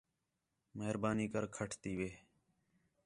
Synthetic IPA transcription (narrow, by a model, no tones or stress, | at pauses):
məɦəɾbaːniːkəɾkʰəʈʰt̪iːʋeː